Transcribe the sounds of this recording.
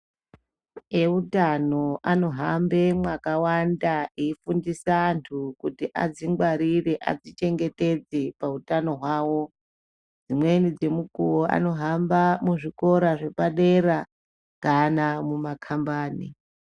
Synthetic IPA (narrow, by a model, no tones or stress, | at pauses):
eutano̞ano̞ɦambe̞mwakawandaeifundisantʰukutiʔa̰d͡ziŋɡwaɾire̞ʔa̰d͡zit͡ʃe̞ŋɡe̞te̞d͡ze̞pautano̞ɦwaːwo̞ | d͡zimwe̞nid͡ze̞mukuwoʔa̰no̞ɦambamuʐiko̞ɾaʐe̞paɗe̞ɾa | kanamumakʰambaːnḭ